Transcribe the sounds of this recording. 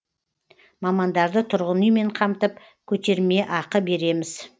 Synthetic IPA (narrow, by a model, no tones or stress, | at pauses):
mɑmɑnd̪ɑɾd̪ət̪ʰʊɾʁənəjme̞ɴqʰɑmt̪əp | kʲʰɵt̪e̞ɾme̞ʔɑqəbe̞ɾe̞mɪz